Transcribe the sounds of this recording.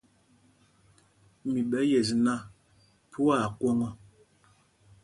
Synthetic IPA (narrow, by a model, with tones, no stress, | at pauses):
mi˨ɓɛ˨˦jɛ˨zna˦ | pʰu˦a˦˨kwɔ˦ŋɔ˦